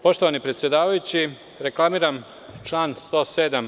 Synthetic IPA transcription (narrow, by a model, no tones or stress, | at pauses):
po̞ʃt̪oʋanipɾe̞t̪sjed̪aːʋajut͡ɕi | ɾe̞klˠamiːɾam | t͡ʃlaːnst̪o̞ːsed̪am